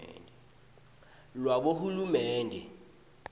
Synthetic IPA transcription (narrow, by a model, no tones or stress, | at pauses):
lwaɓohulumɛːndʱɛ